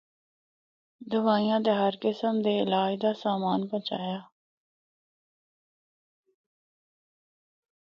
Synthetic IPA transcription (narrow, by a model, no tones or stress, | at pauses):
d̪əʋaːijãːt̪̬eːɦəɾkɪsəmd̪eːɪlaːd͡ʒd̪aːsaːmaːnbə̃t͡ʃaːjaː